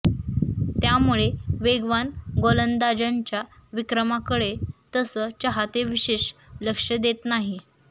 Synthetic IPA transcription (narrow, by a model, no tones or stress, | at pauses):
t̪jamuɭeʋeɡʋanɡolənd̪ad͡ʑaɲt͡ɕjaʋikɾəmakəɽet̪əsət͡ɕəɦat̪eʋiɕeɕləkʂəd̪et̪naɦi